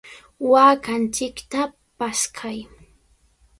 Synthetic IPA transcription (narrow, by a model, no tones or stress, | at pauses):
waːkant͡ʃɪkt̪a | paskʰaj